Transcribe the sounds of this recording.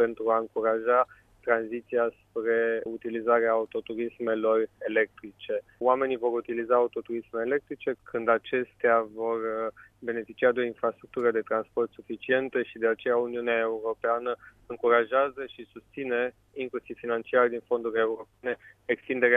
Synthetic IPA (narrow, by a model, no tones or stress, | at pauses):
pe̞nt̪ɾuaɨŋkuɾaʒa | t̪ɾanzit̪siaspɾe̞ut̪ilizaɾeaːut̪o̞t̪uɾisme̞lo̞re̞le̞k̚t̪ɾit͡ʃe̞oame̞nivo̞ɾut̪ilizaːut̪o̞t̪uɾismeːle̞k̚t̪ɾit͡ʃe̞kʰɨnd̪at͡ʃe̞st̪eavo̞rbe̞ne̞fit͡ʃiad̪eo̞infɾast̪ɾuk̚t̪uɾəd̪e̞t̪ɾanspo̞rt̪sufit͡ʃie̞nt̪əʃid̪e̞at͡ʃe̞jauniuneae̞uɾo̞peanə | ɨŋkuɾaʒeazəʃisust̪sine̞ | iŋklusiv̥finant͡ʃiard̪info̞nd̪uɾʲe̞uɾo̞pe̞ne̞ | ekst̪ind̪e̞ɾea